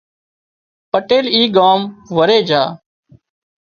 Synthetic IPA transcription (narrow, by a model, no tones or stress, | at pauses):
pəʈeːliːɡaːmʋəɾeːd͡ʒaː